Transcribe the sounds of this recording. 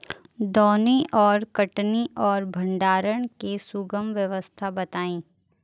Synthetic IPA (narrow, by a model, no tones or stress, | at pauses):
d̪ɔːniʔɔːɾkəʈniʔɔːɾbʱɐ̃ɳɖaːɾəɽ̃kesʊɡəmʋjəʋəst̪ʰabɐt̪aːĩː